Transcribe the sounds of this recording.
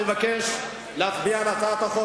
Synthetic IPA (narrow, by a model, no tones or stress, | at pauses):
levakeʃ | leatbianat͡saːt̪aχo